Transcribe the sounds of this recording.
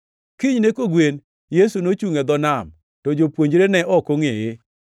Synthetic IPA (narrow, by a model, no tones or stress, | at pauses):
kɪɲnekoɡwen | jesunot͡ʃuŋed̪ɔnam | tɔd͡ʒopwoɲd͡ʒɾenɛʔɔkoŋɪɪ